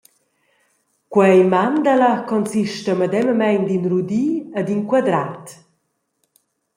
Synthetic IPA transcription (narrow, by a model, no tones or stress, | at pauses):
kwɛjmand̪alakɔnsiʃtəməd̪ɛməmɛnd̪inrud̪iad̪iŋkwad̪ɾat